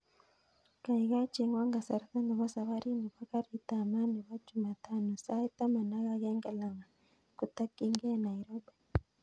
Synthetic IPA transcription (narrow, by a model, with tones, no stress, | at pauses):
ka˨i˨ɣa˦t͡ʃi˨ŋɡwa˦ŋɡa˨sa˨ɾa˦ka˦na˨βa˦sa˨βa˦ɾi˦ni˨βa˦ka˦ɾi˦ta˨ma˦ndi˨βa˦t͡ʃu˨ma˨ta˨nu˨sa˦i˦ta˦ma˨na˦ɣa˦ɣeː˦ŋɡe˦la˨ŋa˨ | ku˨ta˦ki˦ŋɡe˦na˨i˨ɾobe˨